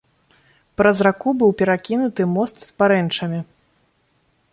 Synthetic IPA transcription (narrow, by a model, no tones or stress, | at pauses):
pɾɐzrakubɨwpʲɛɾakʲinut̪ɨmɔst̪spaɾɛnt͡ʂɐmʲi